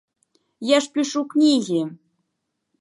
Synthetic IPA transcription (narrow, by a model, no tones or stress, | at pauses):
jaʃpʲiʃuknʲiɣʲi